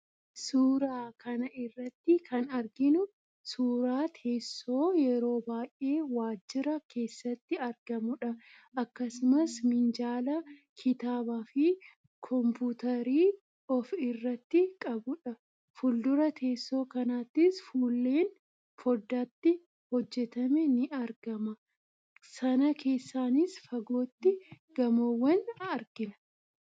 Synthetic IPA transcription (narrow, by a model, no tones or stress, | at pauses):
suːɾaːkʰɐnɐʔɪrːɐt̪ːɪkʰɐnɐɾɡɪnʊ | suːɾaːt̪ʰeːsːoːjɛɾo̞ːbaːjʔe̞ːwaːd͡ʒːɪɾɐkʰe̞ːsːɐt̪ːɪɐɾɡɐmʊᶑɐ | ɐkːɐsʊmɐsmɪnd͡ʒaːlɐ | kʰɪt̪aːbaːfɪ | kʰɔmpuːt̪ɐɾiː | ɔfɪrːɐt̪ːɪkʼɐbʊᶑɐ | fʊld̪ʊɾɐt̪ʰe̞ːsːo̞ːkɐnaːt̪ːɪsfuːlːe̞ːn | fɔd̪ːaːt̪ːɪ | hɔd͡ʒːɛt̪ɐmɛnɪʔɐɾɡɐmɐ | sɐnɐke̞ːsːaːnɪsfɐɡo̞ːt̪ːɪ | ɡ̥ɐmowːɐnɐɾɡɪnɐ̥